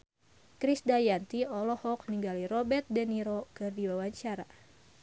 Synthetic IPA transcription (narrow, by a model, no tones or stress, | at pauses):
kɾisdajant̪iɔlɔhɔk̚niŋɡalirɔbɛrt̪̚dɛniɾokɨrdiwawaɲt͡ʃaɾa